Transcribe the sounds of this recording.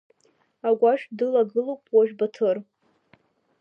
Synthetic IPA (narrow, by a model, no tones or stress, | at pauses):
aɡʷaʃᶣdɨlaɡɨlowpʼʰwaʒᶣbatʰɨr